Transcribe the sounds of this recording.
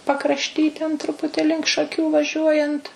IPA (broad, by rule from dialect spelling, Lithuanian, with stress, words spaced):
pɐkrɐʃʲˈtʲiː tʲɛn ˈtrʊpʊtʲɪ lʲɪŋk ʃɐˈkʲuː ʋɐˈʒʲuɔjɛnt